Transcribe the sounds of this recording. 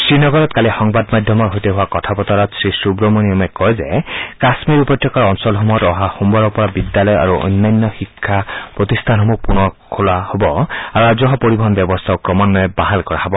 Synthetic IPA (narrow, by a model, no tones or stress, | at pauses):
sɹinɔɡɔɹɔtkalixɔŋbadmadʱjɔmɔɹɦojteɦʊwakɔtʰapɔtɔɹɔtsɹisubɹomoniɔmɛkɔjzɛkasmiɹupɔt̪ːjɔkaɹɔnsɔlɦɔmɔjɔtɔɦaxumbɔɹɔɹpɔɹabidjalɔja̰ɹuʔo̰jnːajnːɔxikʰːapɹot̪ist̪ʰanɦɔmɔpunɔkʰolahobɔaɹuazɔɦɔpoɹibɔɦɔnbjɔbɔst̪ʰaokɹɔmɔnːɔjɔbaɦalkɔɹaɦɔbɔ